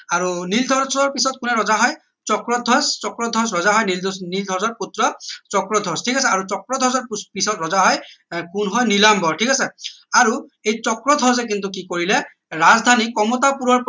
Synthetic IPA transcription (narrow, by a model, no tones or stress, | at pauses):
aɹunildʱɔɹsɔɹpisɔt̚kʊnɛɹɔzaɦɔj | t͡ʃɔkɹɔdʱɔst͡ʃɔkɹɔdʱɔsɹɔzaɦɔjnildɔnildʱɔɹsɔɹputɹɔt͡ʃɔkɹɔdʱɔstʰikasɛaɹut͡ʃɔkɹɔdʱɔɹzɔɹpisɔtɹɔzaɦɔjkunɦɔjnilambɔɹtʰikasɛ | aɹuejt͡ʃɔkɹɔdʱɔɹs̬ɛk̬int̪̬uk̬ikoɹilɛ | ɹazdʱanikɔmɔtapuɹɔɹp